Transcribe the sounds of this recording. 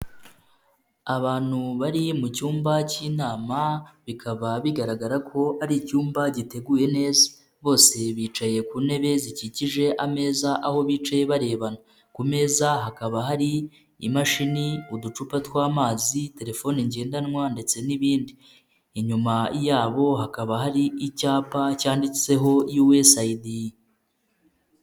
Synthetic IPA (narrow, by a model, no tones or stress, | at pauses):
aβaːn̥huβaɾimucuːmbaciːnaːmaβikʰaβaβiɡaɾaɡaɾakʰo̞aɾicuːmbaɟite̞ɡuːje̞ne̞ːzḁ | βo̞ːse̞βiːt͡ʃaje̞kuːne̞βe̞ziciciʒe̞ʔame̞ːzaʔaho̞βit͡ʃaje̞βaɾe̞ːβana | kume̞ːzaɦakaβaɦaɾi | ḭmaʃiniudut͡ʃupatwaːmaːzite̞ɾe̞fo̞niɲɟe̞ːndanŋwande̞t͡se̞niβiːndi | iɲumaijaːβo̞hakaβaɦaɾiicaːpacaːndit͡se̞ɦo̞jiwe̞saidi